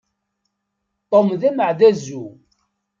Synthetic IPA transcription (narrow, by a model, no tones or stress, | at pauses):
t̪ˤːomðæməʕðæzu